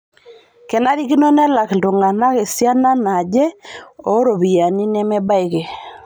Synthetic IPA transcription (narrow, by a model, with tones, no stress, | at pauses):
kɛ˨na˦ɾi˦ki˦nɔ˦nɛ˦la˨kdo˨ŋɡa˨na˦ke˨sja˦na˦na˨d͡ʒɛ˦o˨˦ɾo˨bi˨ja˨ni˦nɛ˦mɛ˦ba˦ɪ˨ke˨